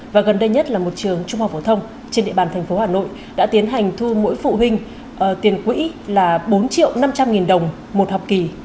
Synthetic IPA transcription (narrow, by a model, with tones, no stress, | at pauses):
vaː˨˩ɣə˨˩nɗə˧jɲə˦˥t̚laː˨˩mo˨˩t̚t͡ɕɨ˨˩əŋt͡ɕʊ˧ŋ͡mha˨˩fo˧˩t̪ʰə˧wŋ͡m | t͡ɕe˧nɗḭ˧˨ɓaː˨˩nt̪ʰɛ˨˩ŋ̟fo˨˦haː˧˩no̰˧˨j | ɗa̰ː˧˥t̪i˨˦ənɦa˨˩jŋ̟t̪ʰu˧mo̰˧˥jfṵ˧˨ɦï˧ŋ̟ | ʔəː˧˩t̪i˨˩ənkwḭ˧˥ | laː˨˩ɓo˨˦nt͡ɕḭ˧˨əwna˧mt͡ɕa˧mŋi˨˩nɗə˨˩wŋ͡m | mo˨˩t̚hɔ˨˩k͡p̚ki˨˩